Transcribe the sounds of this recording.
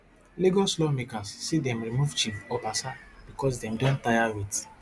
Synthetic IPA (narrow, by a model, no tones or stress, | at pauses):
liɡoslɔmekasːidɛ̃mɹimuvt͡ʃifɔbasab̥ikɔs̬dɛ̃mdɔ̃ntajawit